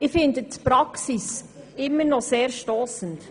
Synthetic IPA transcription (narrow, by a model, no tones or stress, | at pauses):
ɪfɪndətpɾɑksis | ɪmːəɾnɔseːɾʃtɔːsənt